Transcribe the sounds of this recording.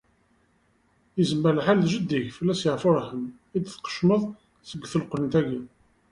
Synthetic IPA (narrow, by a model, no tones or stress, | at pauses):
jəzəmːælħalðʒəd̪ːiʝfəlːæsjəʕfʊɾˤħəm | id̪θqə̥ʃməðˤ | səɡːθəlqlənt̪æɡi